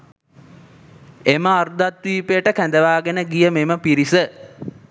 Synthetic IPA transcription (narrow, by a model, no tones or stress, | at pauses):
eməard̪at̪ʋiːpejəʈəkænd̪əʋaːɡenəɡijəmeməpiɾisə